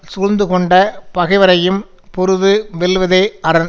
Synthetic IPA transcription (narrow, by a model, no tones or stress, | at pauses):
sʊɻɯnd̪ɯkɔɳɖɐpɐɣɐɪʋɐɾɐjɯm | pɔɾɯðɯʋɛlʋɐðɐɪɐɾɐn